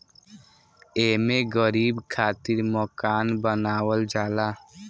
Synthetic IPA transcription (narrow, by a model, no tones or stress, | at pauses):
eːmẽɡəɾiːbkʰaːt̪ɪɾməkaːnbənaːwəld͡ʒaːlaː